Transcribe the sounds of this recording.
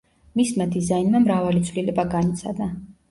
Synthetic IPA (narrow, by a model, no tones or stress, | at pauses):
mismad̪izainmamɾavalit̪sʰvlilɛbaɡanit̪sʰad̪a